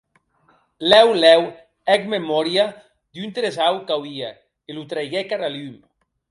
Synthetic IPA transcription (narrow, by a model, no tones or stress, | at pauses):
lɛwlɛw | ɛkmemɔɾja | d̪unt̪eɾesawkawia̰ | elut̪ɾajɣekaɾalym